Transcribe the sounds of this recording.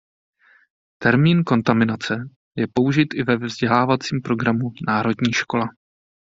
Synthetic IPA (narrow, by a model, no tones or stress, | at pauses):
t̪ɛɾmiːnko̞nt̪amɪnat͡sɛ | jɛpo̞uʒɪt̪ʔɪvɛvvzɟɛlaːvat͡siːmpɾo̞ɡɾamunaːɾo̞dɲiːʃko̞la